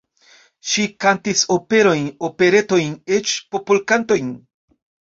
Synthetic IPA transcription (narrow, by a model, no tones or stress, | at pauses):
ʃikantiso̞pe̞ɾo̞jno̞pe̞ɾe̞to̞jnet͡ʃpopulkanto̞jn